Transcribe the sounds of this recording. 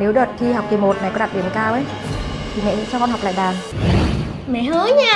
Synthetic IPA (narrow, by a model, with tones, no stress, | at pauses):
ne˨˦wɗəː˨˩t̚t̪ʰi˧ha˨˩wk͡p̚t̪i˨˩mo˨˩t̚na˨˩kɔ˨˦ɗa˨˩t̚ɗi˨˩əmkaː˧wʔə˨˦j | t̪ʰi˨˩mɛ̰˧˥˧t͡ɕɔ˧kɔ˧nha˨˩k͡p̚la̰ː˧˨ɗaː˨˩m˨ | mɛ̰˧˨həː˨˦ɲaː˧